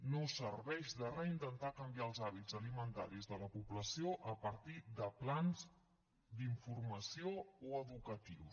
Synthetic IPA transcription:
nosəɾβɛʒðərəint̪ənt̪akəmbiaəlˠzaβid͡zzəlimənt̪a̰ɾizðələpuβləsioʔəpəɾt̪id̪əplanz | d̪iɱfurməsiooəðukət̪iws

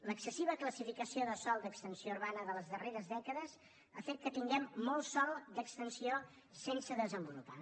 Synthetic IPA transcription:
ləksəsiβəkləsifikəsioðəsɔlˠd̪əkst̪ənsiouɾβanəðələzðəreɾəzðɛkəðəz | əfet̪̚kət̪iŋɡɛmːɔlˠsɔlˠd̪əkst̪ənsio | sensəðəzəmbulupa

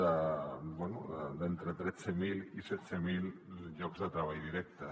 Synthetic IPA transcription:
abwɛnud̪ent̪ɾet̪ɾet͡semilisɛt͡semilʎɔkzðət̪ɾaβ̞ajðiɾɛk̚t̪a

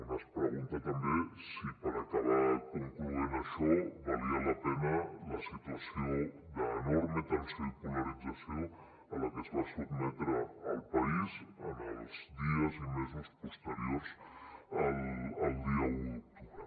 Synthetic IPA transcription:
nəspɾəɣunt̪ət̪əmbesipəɾakaβ̞akuŋkluðenəʃoβaliələpɛnələsit̪uəsiod̪əːnɔɾmət̪ənsəpuləɾid͡zasijo | ələkəzβasubmɛt̪ɾəːlˠpaizənəlzdðiəzimezuspust̪əɾjoɾzələlˠd̪iəut̪u

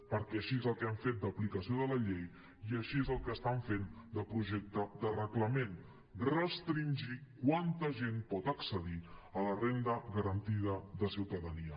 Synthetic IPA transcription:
pəɾkɛəʃiezəlˠkɛaɱfet̪̚d̪əplikəsioðələʎej | iəʃiezəlˠkəːst̪aɱfend̪əpɾuʒɛk̚t̪əd̪ərəkləmen | rəst̪ɾinʲʒikwant̪əʒenpɔt̪əksəðiələrend̪əɣəɾənt̪iðəðəsiwt̪əðəniə

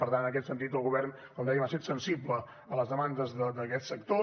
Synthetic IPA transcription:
pəɾt̪anənəkɛt̪sənt̪̬it̪əlˠɣuβɛrn | kɔmd̪ɛjəmaset̪sənsiblə | ələzðəmand̪əzðəd̪əkɛt̪səkt̪o

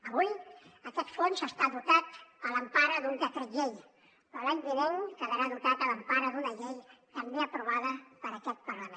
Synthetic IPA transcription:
əβujəkɛt̪fonzəst̪aðut̪at̪ələmpaɾəðund̪ət̪ɾəʎej | pɾɔlaɲbiβeŋkəðəɾaðut̪at̪ələmpaɾəðunəʎejt̪əmbeəpɾuβ̞að̞əpəɾəkɛt̪̚pəɾləme

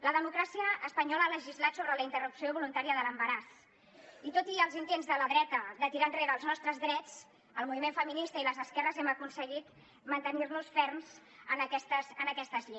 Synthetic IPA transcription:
ləðəmukɾasiəːspəɲɔləaləʒizlat̪soβɾələint̪ərupsioβulunt̪aɾiəðələmbəɾas | it̪ot̪iəlˠzint̪enzðələðɾɛt̪əd̪ət̪iɾanreɾəːlˠznɔst̪ɾəzðɾɛt͡s | əlˠmuβimeɱfəminist̪əiləzəskɛrəzɛməkunsəɣit̪ | mənt̪ənirnusfɛrmz | ənəkɛst̪əzənəkɛst̪əzʎe

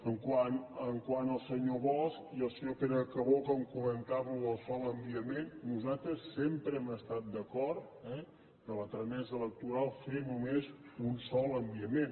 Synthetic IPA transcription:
əŋkwanəŋkwanəlˠsəɲoβɔskiəlˠsəɲopeɾəkəβokəŋkumənt̪aβuəlˠsɔləmbiəmennuzat̪ɾəsːempɾəɛməst̪at̪̚d̪əkɔɾt̪ɛ | k̪ələt̪ɾəmɛzələk̚t̪uɾalˠfenumezunsɔləmbiəmen

